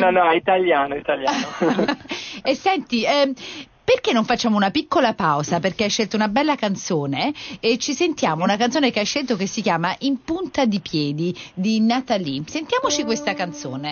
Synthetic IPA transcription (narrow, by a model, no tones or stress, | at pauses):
nɔnɔɛit̪aljaːnoit̪aljao | esːɛnt̪iɛ | perkenːoɱfat͡ʃːaːmounapikːolapawzaperkeajʃːelt̪ounabɛlːakant̪soːneet͡ʃːisent̪jaːmounakant̪soːnekeajʃːelt̪okesːikjaːmaʔimpunt̪ad̪ipjɛːd̪id̪inat̪alisent̪jaːmot͡ʃikwest̪akant̪so̰ːne